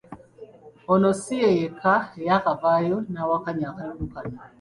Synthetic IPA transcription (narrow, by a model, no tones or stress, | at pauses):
ɔnɔsɪejekajakabajonawakaɲakanukana